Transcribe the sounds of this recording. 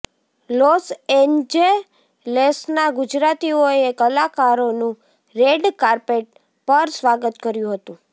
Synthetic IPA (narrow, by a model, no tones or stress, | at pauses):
losend͡ʒe | lesnaɡʊd͡ʒɾat̪ioekəlakaɾonũ | ɾeɖkaɾpeʈ̚ | pəɾsʋaɡət̪kəɾjũɦət̪ũ